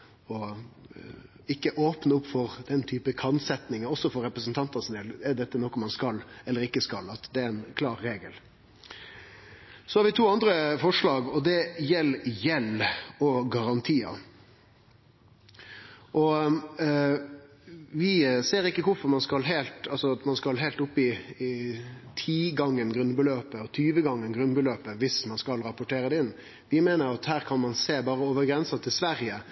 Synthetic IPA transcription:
ɔ | ɪkːəʔoːpnəʊpːfɔɾd̪̥ɛnt̪ʰyːpəkʰɑnsɛt̪nɪŋəɔsːɔfɔɾɛpɾəsnt̪ʰɑnt̪ɑsnɛlɛɖ̪ɛt̪ːənɔkːɔmɑnskɑlːɛlːəɾɪkːəskɑlɑt̪d̪ɛæɛnkʰlɑːɾːeːɡəl | sɔhɑɾʋɪt̪ʰuːɑnd̪ɾəfɔʂlɑːɡɔd̪ɛjɛlːjɛlɔɡɑɾɑnt̪ʰiːɑ̰ | ʔɔ | ʋɪseːɾɪkːəkʰʊɾfɔɾmɑnskɑlɦɛːlt̪ɑlsɔɑt̪mɑnskɑlɦɛɪlt̪ʊpːɪɪt̪ʰiːɡɑŋːənɡɾʉnbəløːpəɔt̪ʰyːʋəɡɑŋːənɡɾʉnbəløːpəʋɪsmɑnskɑlɾɑpʊʈʰeːɾəd̪ɛɪnː | ʋɪmeːnəɾɑt̪hæːɾkʰɑnmɑnseːbɑːɾəɔːʋəɾɡɾɛnsɑt̪ʰɪlsʋæɾɪə

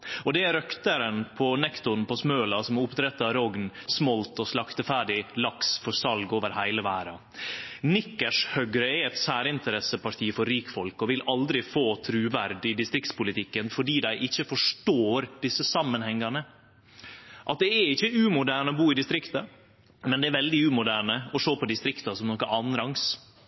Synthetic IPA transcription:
ɔd̪ɛæɾœkt̪əɾənpʰɔnɛkt̪ʊnpʰɔsmøːlɑsɔmʊpd̪ɾɛt̪ːɑɾɔɡnsmɔlt̪ɔslɑkt̪əfæːɖɪlɑksfɔsɑlɡoːʋəɾhæɪləʋæːɾɑ | nɪkːəʂhœɡɾəɛɛt̪sæːɾəɪnt̪əɾɛsəpɑʈʰiːfɔɾːiːkfɔlkɔʋɪlɑld̪ɾɪfoːt̪ʰɾʉːʋæɾd̪ɪd̪ɪst̪ɾɪkt̪spʊlɪt̪ʰɪkːənfɔɖiːd̪æɪʔɪçːəfɔʂʈoːɾd̪̥ɪsːəsɑmːənhɛŋːɑnə | ʔɑt̪̚d̪ɛɛɾɪçːəʉːmʊd̪æːɳəɔbuːɪd̪ɪst̪ɾɪkt̪ɑ | mɛnd̪ɛæɾʋɛld̪ɪʉːmʊd̪æːɳəɔʂoːpɔd̪ɪst̪ɾɪkt̪ɑsɔmnɔkːəʔɑːnɾɑŋs

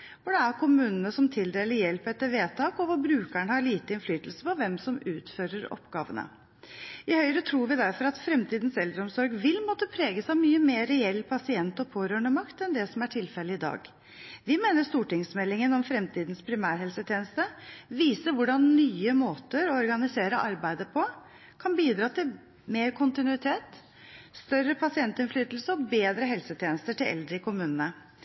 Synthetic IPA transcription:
fɔɖɑæɾkʰʊmʉːnənəsɔmt̪ʰɪld̪eːlɪjɛlpəɾɛt̪ːəʋeːt̪ʰɑːkɔʋɑbɾʉːkæɳəhɑɭiːt̪əɪnflyːt̪l̩sə̥pɔʋɛmsɔmʉːt̪føːɾəɾɔ̰pːɡɑ̰ːʋə̰nə̰ | ɪhœʏɾət̪ʰɾuːɾʋɪd̪æɾfɔɾɑt̪fɾɛmt̪ʰiːd̪nsɛld̪ɾəɔmsɔɾɡʋɪlmɔt̪ːəpʰɾeːɡəsɑmyːəmeːɾɛɛlːpʰɑsɪɛnt̪ɔpʰoːɾøːɳəmɑkt̪ɛnd̪ɛsɔmæʈʰɪlfɛlɪɪd̪ɑ̰ːɡ | ʋɪmeːnəʂt̪uːʈɪŋsmɛlːɪŋənɔmfɾɛmt̪ʰiːd̪ən̩spʰɾɪmæːɾɦɛlsət̪ʰjeːnəst̪əʋiːsəʋʊɖɑnnyːəmoːt̪əɾɔɔɾɡɑnɪseːɾəʔɑɾbæɪd̪əpʰɔ | kʰɑnbiːd̪ɾɑːt̪ɪl | meːɾkʰʊnt̪ɪnʉɪt̪ʰeːt̪ | st̪œrəpʰɑsɪɛnt̪ɪnflyːt̪l̩səɔbeːd̪ɾəɦɛlsət̪ʰjeːnəst̪əʈɪlʔɛ̰ld̪ɾəɪkʰʊmʉːnənə

